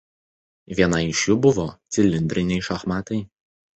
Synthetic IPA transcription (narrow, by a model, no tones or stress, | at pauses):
ʋʲiɛnɐɪʃʲjʊbʊʋɔt̪sʲɪlʲɪnʲd̪ʲɾʲɪnʲɛɪʃɐxmɑːt̪ɐɪ